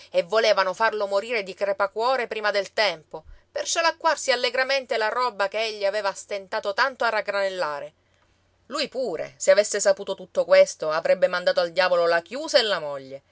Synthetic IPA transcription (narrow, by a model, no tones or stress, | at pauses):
evːoleːvanofarlomoɾiːɾed̪ikɾepakwɔːɾepɾiːmad̪elt̪ɛmpopert͡ʃolakːwarsialːeɡɾament̪elaɾɔbːakeeʎːiaveːvast̪ent̪aːt̪ot̪ant̪oarːaɡɾanelːaːɾe | lujpuːɾḛseavesːesapuːt̪ot̪ut̪ːokwest̪oavɾɛbːemand̪aːt̪oald̪jaːvololakjuːsaelːamɔʎːe